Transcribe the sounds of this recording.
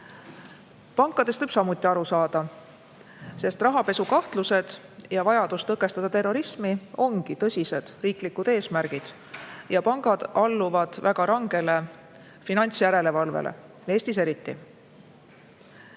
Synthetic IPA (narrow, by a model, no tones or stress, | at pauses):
pɑŋkːˑɑd̪̥e̞st̪ɤjb̥sɑmut̪ːˑiɑɾusɑːd̪̥ɑ | se̞st̪rɑɦɑpe̞sukɑht̪luse̞d̪̥ | jɑvɑjɑd̪̥ust̪ɤkːˑe̞st̪ɑd̪ɑt̪e̞rːo̞ɾismio̞ŋɡ̥it̪ɤsʲise̞d̪̥riːklikːˑud̪̥e̞ːsmæɾɡ̥id̪̥ | jɑpɑŋɡ̥ɑd̪̥ɑlːuvɑd̪̥væɡ̥ɑɾɑŋɡ̥e̞le̞ | finɑnʲt̪sjæɾe̞le̞vɑlvḛlʔḛ | e̞ːsʲt̪ise̞ɾit̪ːḭ